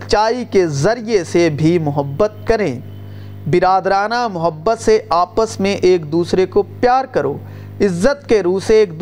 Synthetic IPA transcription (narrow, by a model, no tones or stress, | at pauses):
t͡ʃaːikezɐɾijesebʱimʊɦəbːət̪̚kɐɾẽː | bɪɾaːd̪ɾaːnamʊɦəbːət̪seʔaːpəsmẽʔeːk̚d̪uːsɾekopjaːɾkɐɾo̰ː | ɪzːət̪̚keɾuːseeːkd̪